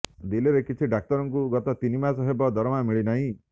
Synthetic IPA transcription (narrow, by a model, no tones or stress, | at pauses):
d̪ileɾekit͡ʃʰiɖak̚tɔɾɔŋkuɡɔt̪ɔt̪inimasɔɦebɔd̪ɔɾɔmamiɭinaɦĩ